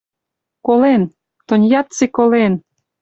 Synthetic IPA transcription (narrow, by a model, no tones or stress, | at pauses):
kolen | t̪onʲjɑt̪t͡sekolen